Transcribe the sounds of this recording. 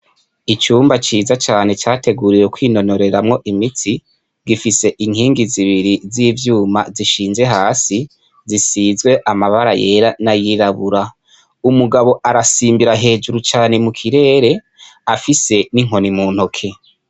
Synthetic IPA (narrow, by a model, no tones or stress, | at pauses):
it͡ʃuːmbat͡ʃiːzat͡ʃaːne̞t͡ʃaːtʰe̞ɡuɾiɾekwiːno̞no̞ɾe̞ɾamŋo̞ʔimiti | ɡifise̞ʔiŋhiːŋɡiziβiɾiziːvjuːma̰ziʃiːnze̞ɦaːsi | zisiːzɡwe̞ʔamaβaɾaje̞ːɾanajiɾaβuɾa | umuɡaβo̞ʔaɾasiːmbiɾaɦe̞ːd͡ʒuɾut͡ʃaːne̞mukʰiɾe̞ːɾe̞ | afise̞niŋɦo̞nimuːn̥okʰe̞